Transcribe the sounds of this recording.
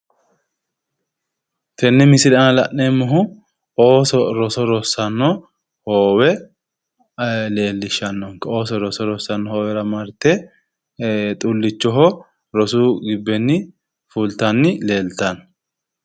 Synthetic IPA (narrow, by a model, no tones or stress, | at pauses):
t̪ʰɛnːɛmɪsɪɾɐnɐlɐʔːemːɔɦʊ | oːsɔɾɔsɔɾɔsːɐnːɔ | hoːwɛ | le̞ːlːɪʃɐnːɔŋkɐo̞ːsɔɾɔsɔɾɔsːɐnːɔhoːwɛɾɐmɐɾt̪ːɛ | t̪ʼʊlːɪt͡ʃːɔɦɔ | ɾɔsuːɡɪbːɛnːɪ | fult̪ɐnːɪle̞ːlt̪ɐn